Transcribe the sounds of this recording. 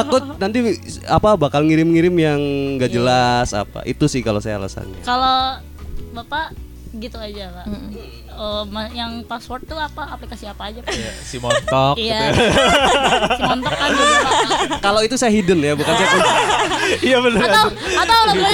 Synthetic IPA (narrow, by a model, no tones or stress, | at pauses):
t̪akkʊnant̪iapabakalŋiɾɪmŋiɾɪmjaŋɡad͡ʒəlasa̰pa̰ʔḭt̪usɪhkalosaja̰la̰sa̰nɲa̰kalo | bapa | ɡit̪uad͡ʒalaʔ | əmajaŋpaswɔrt̪ːuapaːplikasiapaːd͡ʒasimɔnt̪ɔkija | simɔnt̪ɔkːad͡ʒa | kaloit̪usajaɦidənjabukansajakun | ijabənəɾaaat̪awla